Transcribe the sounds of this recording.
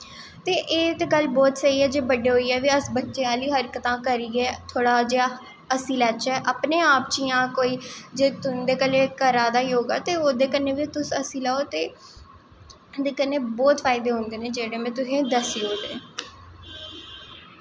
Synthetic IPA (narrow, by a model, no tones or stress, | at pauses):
t̪eːʔeːt̪eɡəlbɔːt̪səiːɛːd͡ʒeːbəɖeːɦoːiːɛːʋiːəsbətːʃeːaːliːɦəɾkət̪ãːkəɾiːɛːt̪ʰoːɽaːd͡ʒeːaː | əsiːlɛːt͡ʃɛːʔəpneːaːp̚t͡ʃijãːkoːiːd͡ʒeːt̪ʊnd̪eːkəleːkəɾaːd̪aːiːoːɡa̰ːt̪eːoːd̪eːkənːeːʋit̪ʊsəsĩːlaːoːt̪eː | d̪eːkənːeːbɔːt̪fʰaːɪd̪eːɦʊ̃nd̪eːneːd͡ʒeːɽeːmɛ̃ːt̪ʊsẽːd̪əsiːɦoːd̪ḛː